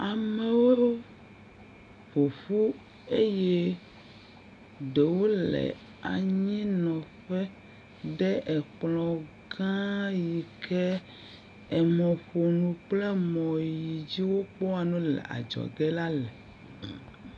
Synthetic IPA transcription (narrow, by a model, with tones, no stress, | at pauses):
a˨me˦wo˦o˦ | ɸo˨ɸu˦ | e˦je˦ | ɖe˨wo˦lɛ̰˨ | a˨ɲĩ˦nɔ̃˨ɸɛ˦ | ɖɛ˦ʔɛ˨k͡plɔ˨ | ɡã˦ji˨kʰɛ˦ | ɛ˨mɔ̃˨ɸo˨nũ˨k͡plɛ˦mɔ̃˨ji˨d͡ʑi˦wo˦k͡pɔ˦a˨nũ˦lɛ̰˨ʔa̰˨d͡ʒɔ̰˨ɡɛ˦la˦lɛ˨